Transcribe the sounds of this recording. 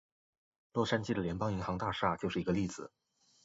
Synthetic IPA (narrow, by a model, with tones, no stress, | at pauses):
lwɔ˥˩ʂa˥nt͡ɕi˥d̪ə˩ljɛ˧˥npɑ˥ŋi˧˥ŋxɑ˧˥ŋt̪a˥˧ʂa˥˩t͡ɕjo˥˧ʊʂɻ̩˥˩˧ɡə˧li˥˩d͡zɹ̩˨˩